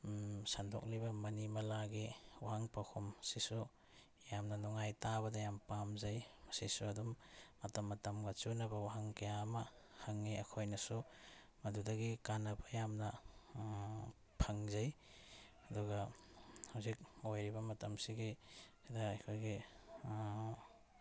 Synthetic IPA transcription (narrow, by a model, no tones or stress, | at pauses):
sandɔ̰k̚libɐmɐnimɐlaɡiwaɦaŋpakʰomsisu | jamnɐnɔŋajtabɐdɐjampamzajmɐsisuɐdumːɐtɐmːɐtɐmɡɐt͡ʃunɐbɐwaɦaŋkɐjaːmɐ | hɐŋːiɐkʰojnɐsu | mɐdudɐɡikanɐbɐjamnɐ | pʰɐŋzɐj | ɐduɡɐhawzik̚ojɾibɐmɐtɐmsiɡikʰidɐːkʰojɡi